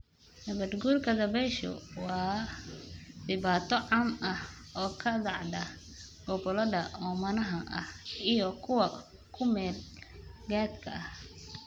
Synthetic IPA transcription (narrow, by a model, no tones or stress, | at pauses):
nɐβɐd̪ɡuːrkʰɐðɐβɛjʃɔ̰wɑː | dɪβaːt̪ʰɔʕɑːmʔɐhɔːkʰɐd̪ɑʕd̪ɐ | ɡ̥ɔbɔlɐðɐʔɔːmɐnɐɦɐʔɐhijɔkʰʊwɐ | kʰʊmɛːlɡaːd̪kʰɐ̰ɐh